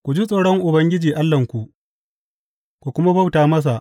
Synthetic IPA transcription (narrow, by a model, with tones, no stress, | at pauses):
kʷu˨d͡ʒi˦sʼoː˨ɽɔ˦ŋʔʊ˨bɐ˦ŋɡʲɪ˦d͡ʒiː˨ʔa˦lːɐ˨ŋkʷu˨ʔ | kʷu˨kʷʊ˦ma˦ba˦wtaː˨mɐ˦s̬a˨ʔ